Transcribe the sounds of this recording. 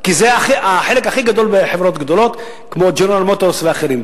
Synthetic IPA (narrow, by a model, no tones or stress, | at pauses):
kizeaχiʔaħe̞lekaχiɡad̪o̞lbeħevɾot̪ɡd̪o̞lo̞t̪ | kmod͡ʒonalmot̪osveaχeɾim